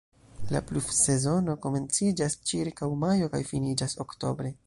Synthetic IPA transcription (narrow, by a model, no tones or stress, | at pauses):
la̰plufse̞zo̞no̞ko̞me̞nt͡sid͡ʒast͡ʃiɾkawmajo̞ka̰jfinid͡ʒaso̞kto̞bɾe̞